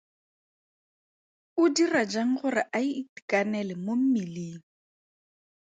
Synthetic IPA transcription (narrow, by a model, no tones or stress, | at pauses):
ʊdirad͡ʒaŋ̩χʊrɪʔaiːti̥kʼanɛlɛmom̩miliːŋ̩